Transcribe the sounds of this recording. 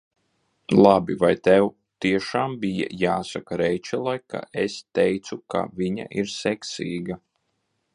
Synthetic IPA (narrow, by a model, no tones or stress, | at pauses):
lˠabivajt̪ɛw | t̪iɛʃaːmbija̰jaːsakaɾɛjt͡ʃɛlˠajkʰa̰ɛst̪ɛjt̪suka̰viɲa̰ʔiɾsɛksiːɡa